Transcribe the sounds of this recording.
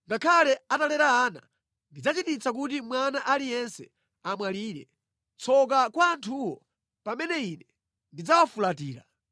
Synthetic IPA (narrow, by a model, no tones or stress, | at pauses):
ŋɡakʰalɛatalɛɾaːna̰ | ndid͡zat͡ʃitit͡sak̬utimwanaʔalijɛnsɛ | amwaliːɾɛ̰ | t͡sʰɔk̬akwaːntʰuwɔ | pamɛnɛinɛ | ndid͡zawafulatiːɾa̰